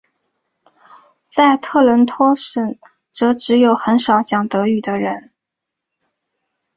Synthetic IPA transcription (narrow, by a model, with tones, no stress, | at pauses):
t͡sa˥˧ɪt̪ʰɤ˥˩lə˧˥nt̪ʰwɔ˥ʂə˨˩n | ʈ͡ʂɤ˧˥ʈ͡ʂɻ̩˧˥jo˧˩ʊxə˧˥nʂɑ˨˩ʊt͡ɕjɑ˨˩ŋt̪ɤ˧˥y˨˩d̪ə˦ɻə˧˥n